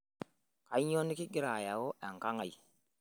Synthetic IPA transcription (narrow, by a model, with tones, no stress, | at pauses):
ka˨i˦ɲo˦ni˦ki˦ɡi˦ɾa˨ja˨wo˦ʔa˨ŋ˨ka˦ŋa˨j